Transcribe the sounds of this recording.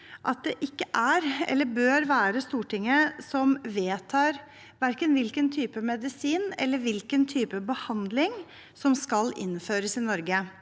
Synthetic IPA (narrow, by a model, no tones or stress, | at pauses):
ʔɑt̪̚d̪ɛʔɪkːəʔæɾɛ̰lːəbøːɾʋæːɾəst̪uːʈʰɪŋːəsɔmʋeːt̪ʰɑːɾ | ʋæɾkənʋɪlkənt̪ʰyːpəmɛd̪ɪsiːnɛ̰lːəɾʋɪlkənt̪ʰyːpəbəhɑnd̪lɪŋ | sɔmskɑlɪ̰nːføːɾəsɪnɔɾɡə